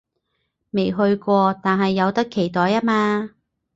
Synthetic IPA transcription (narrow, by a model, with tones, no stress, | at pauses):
me˨˩jɦɵ˧ɥkʷɔː˧t̪aː˨nɦɐ˨jːɐ˨˧wt̪ɐ˥kʰːe˨˩jt̪ɔː˨˧jaː˥maː˧